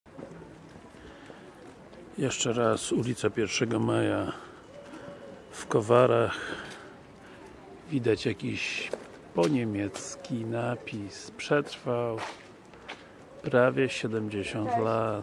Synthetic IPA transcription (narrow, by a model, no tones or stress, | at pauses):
jɛʂt͡ʂɛɾasulʲit̪sapʲjɛɾfʂɛɡɔmaja | fkɔvaɾax | vʲid̪at͡ɕjakʲiɕ | pɔɲemʲjɛt̪skʲinapʲispʂɛt̪ɾfaw | pɾavʲjɛɕɛd̪ɛmd͡ʑeɕɔnt̪la